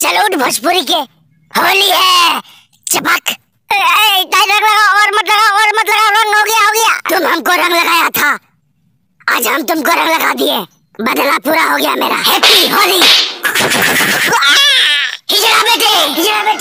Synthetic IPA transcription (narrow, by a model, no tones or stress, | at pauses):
t͡ʃəloʊʈʰbʱot͡ʃpʊɾike | hoːliɦɛ | t͡ʃɐpək | t̪aːɪd̪ɾə̃ŋɡləɡaɔːɾmɐt̪ləbaɔːɾmɐt̪ləbaɾə̃ŋɦoɡɐjaɦoɡɐja̰ːt̪ʊmɦɐmkoɾə̃ŋɡlɐɡaːjat̪ʰa | aːd͡ʒɦəmt̪ʊmkoɾə̃ŋɡlɐɡaːd̪ie | bəd̪lapuːɾaɦoɡɐja̰mḛːɾa̰ːɦɛt̪ʰiɦoːli | ɦɪd͡ʒɾabeːʈed͡ʒɾabeʈ